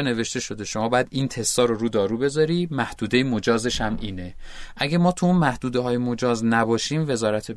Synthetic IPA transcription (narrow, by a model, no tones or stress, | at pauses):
ne̞ve̞ʃt̪e̞ʃo̞d̪e̞ʃo̞mɒːbɒːjæd̪iːnt̪ʰe̞st̪ɒːɾoɾuːd̪ɒːɾuːbe̞zɒɾiːmæhd̪̥uːd̪ejemod͡ʒɒːze̞ʃæmʔiːne̞ʔæɡæmɒːt̪ʰuuːnmæhd̪uːd̪eɦɒːjemod͡ʒɒːznæbɒːʃiːmve̞zɒːɾæt̪ʰe